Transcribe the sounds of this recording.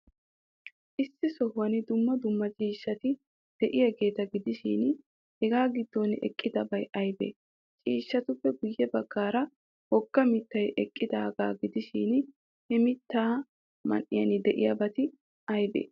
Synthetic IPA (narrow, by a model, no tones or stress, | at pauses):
ʔɪsːɪsɔhːɐnɪd̪ʊmːɐd̪ʊmːɐt͡ʃʼiːʃːɐt̪ɪ | d̪̥ɛʔɪjɐɡe̞ːt̪ɐɡɪd̪ɪʃɪn | hɛɡaːɡɪd̪ːonɛ̰kʼːɪd̪ɐbɐjʔɐjbḛː | t͡ʃʼiːʃːɐt̪ʊpːɛɡʊjːɛbɐɡ̥ːaːɾɐ | hɔɡ̥ːɐmɪt̪ːɐjʔɛkʼːɪd̪aːɡaːɡɪd̪ɪʃɪːn | hɛmɪt̪ːaː | mɐ̰nʔɪ̰jɐnɪd̪ɛʔɪjɐbɐt̪ɪ | ʔɐjbḛː